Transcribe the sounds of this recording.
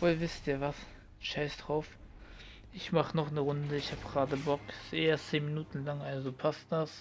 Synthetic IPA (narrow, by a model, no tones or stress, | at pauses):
v̥oːlvɪstiːɐvas | ʃaɪsd̥ʁaʊf | ʔɪçmaχənɔχnəʁʊndəɪçhaːbəɡ̥ʁaːdəbɔksʔeːɐt͡seːnminuːtn̩laŋʔalzopʰast̚d̥as